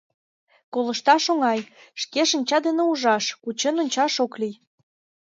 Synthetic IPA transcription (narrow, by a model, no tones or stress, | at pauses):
kolə̆ʃt̪ɑʃoŋɑjʃkeʃə̆nʲt͡ɕɑd̪eneuʒɑʃkut͡ɕenonʲt͡ɕɑʃoklij